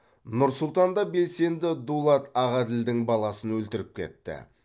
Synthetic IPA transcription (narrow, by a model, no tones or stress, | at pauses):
nʊɾsʊlˠt̪ɑnd̪ɑbe̞lse̞nd̪ɪd̪ulˠɑt̪ɑʁɑd̪ɪld̪ɪŋbɑlˠɑsənwɵlt̪ɪɾɪp̚kʲʰe̞̰t̪ːɪ̰